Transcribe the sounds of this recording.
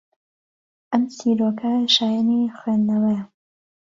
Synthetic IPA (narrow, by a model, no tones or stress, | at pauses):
ʔɐmsiːɾokʰɐʃaːjanixwendɐwɐjɐ